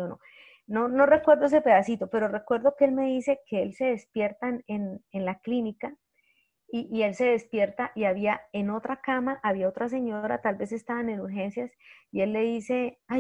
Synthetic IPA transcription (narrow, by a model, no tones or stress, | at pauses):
ono̰ | no̞no̞re̞kwe̞ɾd̪oes̬epe̞ðasit̪o̞pe̞ɾo̞re̞kwe̞ɾd̪o̞keelme̞ðise̞ke̞else̞ðe̞spje̞ɾt̪anenenlaklinika | iʔːe̞lse̞ðe̞spje̞ɾt̪aʔiaβiae̞no̞t̪ɾakamaʔaβiaot̪ɾas̬e̞ɲoɾa̰t̪albe̞se̞st̪aβaeneɾuɾxe̞nsjasie̞lːe̞ðise̞a